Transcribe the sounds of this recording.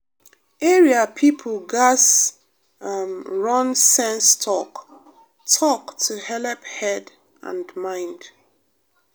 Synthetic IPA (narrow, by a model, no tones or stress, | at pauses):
ɛɹiapʰipʰəlɡas | amɹɔ̃nsɛ̃nstʰɔk | tʰɔktʰuhɛlɛphɛd | ʔã̰ndmãɪ̃nd̥